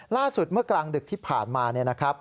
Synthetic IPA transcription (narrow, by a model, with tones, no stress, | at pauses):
laː˥˩su˨˩t̪̚mɯ˥˩ɐklaː˧ŋdɯ˨˩k̚t̪ʰiː˥˩pʰa̰ː˨˩nmaː˧ni˥˩ɐna˦˥kʰɾa˦˥p̚